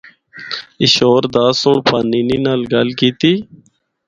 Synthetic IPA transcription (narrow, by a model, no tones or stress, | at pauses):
ɪʃoːɾd̪aːsʊɳpʰaːniːniːnaːlɡəlkiːt̪iː